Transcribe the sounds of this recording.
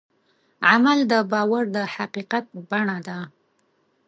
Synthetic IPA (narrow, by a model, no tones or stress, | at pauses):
ʕamald̪əbɑwaɾd̪əhaqiqat̪̚baɳad̪a